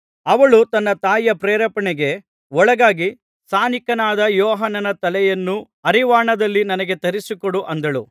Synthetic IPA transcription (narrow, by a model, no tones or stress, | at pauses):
ɐʋɐɭut̪ɐnːɐt̪aːjːɐpɾeːɾɐpɐɳɛɡe̞ | ɔɭɐɡaːɡi | saːnikɐnaːd̪ɐjɔːɦɐnːɐnɐt̪ɐlɛjɐnːu | ɐɾiʋaːɳɐd̪ɐlːinɐnɐɡe̞t̪ɐɾisikoɽuʔɐnd̪ɐɭṵ